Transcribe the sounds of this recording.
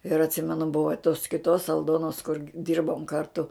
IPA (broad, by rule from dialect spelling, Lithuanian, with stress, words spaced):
ɪr ɐtʲˈsʲiːmʲɛnʊ ˈbʊʋoː toːs kʲɪˈtoːs ɐlˠˈdoːnoːs kʊr ˈdʲiːrboːm ˈkɐrtʊ